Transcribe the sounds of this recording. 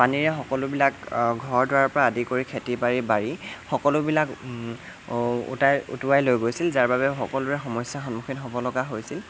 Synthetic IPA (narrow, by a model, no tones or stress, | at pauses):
paniɹɛxɔkɔlʊbilakɡʱɔɹdɔɹaɹpɔɹaːdikoɹikʰetipaɹibaɹixɔkɔlʊbilak | ṵtajṵtuajlojɡojsilzaɹbaβɛxɔkɔlʊɹɛxɔmɔjsjaxɔnmuxʰinɦobɔlɔɡaɦojsil